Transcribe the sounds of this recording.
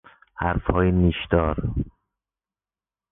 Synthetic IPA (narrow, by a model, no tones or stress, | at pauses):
hæɾfhɒːjiniʃd̪̥ɒːɾ